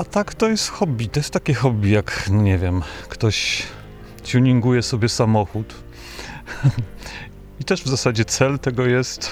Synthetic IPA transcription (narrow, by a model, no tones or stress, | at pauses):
at̪akt̪ɔjɛst̪xɔbʲit̪ɔjɛst̪akʲɛxɔbʲijakɲɛvʲjɛmkt̪ɔɕ | t͡ɕuɲiŋɡujɛsɔbʲjɛsamɔxut̪ | it̪ɛʐvzasad͡ʑɛt̪sɛlt̪ɛɡɔjɛst̪